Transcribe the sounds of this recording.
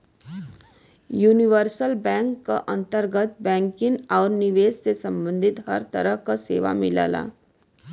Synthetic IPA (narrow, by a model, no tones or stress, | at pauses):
juːnɪʋəɾsəlbɛ̃ːŋkːa̰ʔɐ̃nt̪əɾɡət̪bɛ̃ːŋkɪnɔːɾnɪʋeːssesɐ̃mbə̃nd̪ʱɪt̪ɦɐɾt̪əɾəɦkasḛːʋa̰mɪla̰ːla̰ː